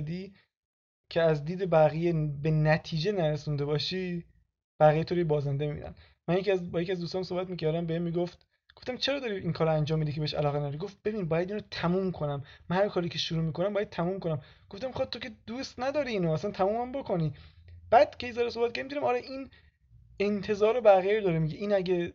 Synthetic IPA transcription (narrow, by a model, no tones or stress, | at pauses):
d̪iː | cʰe̞æzd̪iːd̪ebæɣijebenæt̪ʰiːd͡ʒenæɾesund̪e̞bɒːʃiː | b̥æʁijet̪ʰoɾojebɒːzænd̪emibḭːnæ̰n | mænjeciæzbɒːjeciæzd̪ust̪ɔːnæmsobæt̪miːcæɾd̪æmbeemiːɡoft̪ | ɡ̥oft̪æmt͡ʃʰe̞ɾɒːd̪ɒːɾiinkʰɒːɾoænd͡ʒɒːmːid̪ikʰeeeʃæ̰lɒːɣenæd̪ːɾiɡo̞ft̪̚b̥e̞biːnbɒːjæd̪iːnot̪ʰæmuːmkʰonæmːænhæɾkʰɒːɾiːcʰe̞ʃuɾuːmiːkʰo̞næmbɒːjæd̪̚t̪ʰæmuːmko̞næm | ɡ̥oft̪æmːixɑːd̪̚t̪ʰːoke̞d̪uːst̪næd̪ɒːɾiːnoæsænt̪ʰæmuːmæmbo̞kʰo̞niːb̥æd̪̥cʰejzɒɾesobæt̪̚kæɾimd̪ːɾæmɒːɾeʔin | ent̪ʰe̞zɒːɾobæɣijed̪ɒːɾemiɟeʔiːnæɟe